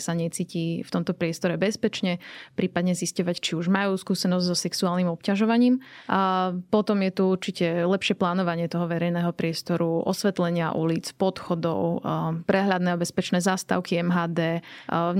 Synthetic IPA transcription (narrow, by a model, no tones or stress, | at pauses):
saɲɛt͡siːciːft̪ɔmt̪ɔpɾɪɛst̪ɔɾɛbɛspɛt͡ʃɲɛpɾiːpad̪ɲɛziscɔʋact͡ʃiuʒmajuːskuːsɛnɔzɟzɔsɛksuaːlnimɔpcaʒɔʋaɲiːm | pɔt̪ɔmjɛt̪uuɾt͡ʃicɛlɛpʃɪɛplaːnɔʋaɲɪɛt̪ɔɦɔʋɛɾɛjnɛːɦɔpɾɪɛst̪ɔɾuʔɔ̰sʋɛt̪lɛɲɪa̰ʔṵliːt͡spɔt̪xɔd̪ɔ̰ʊpɾɛɦʎad̪nɛːɔbɛspɛt͡ʃnɛːzast̪a̰ʊkiɛmɦaːd̪ɛː